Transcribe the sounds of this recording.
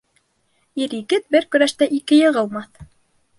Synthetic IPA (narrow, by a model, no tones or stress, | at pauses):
iɾikɘt̪̚bɘɾkɵ̆ɾæʃt̪æʔikɘjɤ̆ʁɤ̆lˠmɑθ